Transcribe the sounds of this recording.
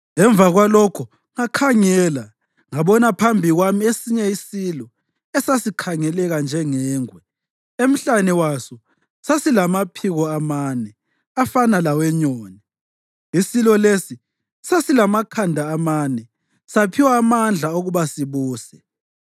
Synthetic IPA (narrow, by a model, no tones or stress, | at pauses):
ɛɱb̪vʱaɣwalɔkʰu | ŋakʰaŋɛːla | ŋaβɔnapʰambʱiɣwamiesiɲɛisilɔ | ɛsasikʰaŋɛlɛɣand͡ʒʱɛŋɛːŋwɛ | em̩ɬanɛwasɔ | sasilamapʰiɣɔamaːnɛ | afanalawɛɲoːnɛ | isilɔlesi | sasilamakʰandʱaːmaːnɛ | sapʰiwaːmand͡ɮʱaoɣuβasiβuːsɛ̥